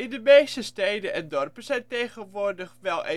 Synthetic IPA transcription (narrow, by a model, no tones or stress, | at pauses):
ɪndəmeːstəstejdənʔɛndɔrpəz̥ɛjntejχənʋʊːrdəχʋɛlˠe